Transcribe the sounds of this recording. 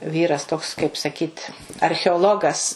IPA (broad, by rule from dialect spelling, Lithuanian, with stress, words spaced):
ˈʋʲiːrɐs toːks kɐɪp sɐˈkʲiːt ɐrʲxʲɛoːˈlˠoːɡɐs